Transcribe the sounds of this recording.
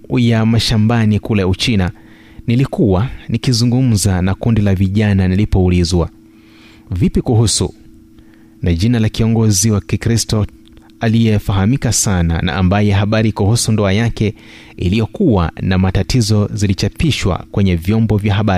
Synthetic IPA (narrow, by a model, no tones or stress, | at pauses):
jamaʃambanikulaut͡ʃina | nilikuwanikizuŋɡum̩zanakundilaviʄananilipɔulizwa | vipikuɦusṵ | naʄinalakiɔŋɡɔziwakikɾistɔ | alijɛfaɦamikasana̰na̰ʔːmbajɛɦaɓaɾikuhusundɔajakɛ | ḭlijɔkuwa̰namatatizɔzilit͡ʃapiʃwa̰kwɛɲɛvjɔmbɔvjaɦaɓaɾi